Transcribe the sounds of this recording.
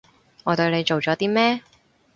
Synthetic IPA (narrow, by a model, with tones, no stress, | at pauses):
ŋɔː˨˧t̪ɵ˧ɥne˨˧jt͡ʃo˨wt͡ʃɔː˨˥t̪iː˥mɛː˥